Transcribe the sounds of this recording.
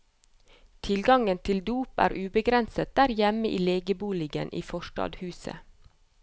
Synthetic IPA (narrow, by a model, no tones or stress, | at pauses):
t̪ʰɪlɡɑŋənt̪ʰɪld̪uːpæ̰ːɾʔʉːbəɡɾɛnsət̪̚d̪̥æɾjɛməʔiːleːɡəbuːlɪɡə̰nʔḭːfɔʃʈɑ̰ːd̪hʉːsə̰